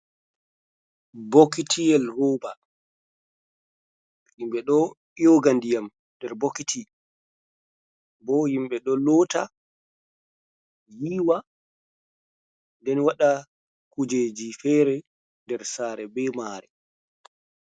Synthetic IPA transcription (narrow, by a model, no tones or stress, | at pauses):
bokitʰijɛlroːba | himɓɛɗɔ | joɡandijam | dɛɾbokitʰi | bɔhimɓɛɗɔlɔːta | jiːwa | ndɛnwaɗa | kud͡ʒeːd͡ʒifɛːɾɛ | ndɛɾsaːɾɛbɛmaːɾɛ̰